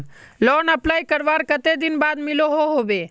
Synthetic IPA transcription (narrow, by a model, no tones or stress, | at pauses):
lɔːnəplaːikəɾʋaːɾkət̪ed̪ɪnbaːd̪mɪloɦoɦoːʋe